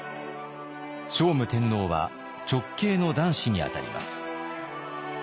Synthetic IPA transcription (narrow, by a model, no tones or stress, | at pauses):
ɕo̞ːmɯ̟t̪ẽ̞nːo̞ːβa̰ | t͡ɕo̞kːe̞ːno̞d̪ãɰ̃ɕiɲ̟ia̰t̪a̰ɾʲḭmʔa̰sɨ̥